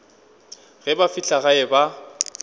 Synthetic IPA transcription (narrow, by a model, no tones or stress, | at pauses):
ɣɛbafit͡ɬʼaɣaɛba